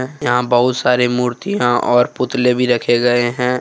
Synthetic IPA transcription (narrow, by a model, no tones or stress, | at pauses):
ɛjɐɦãbɐɦʊt̪saːɾemuːɾt̪ijãʔɔːɾpʊt̪lẽbʱiɾɐkʰeɡɐeɦɛ̃ː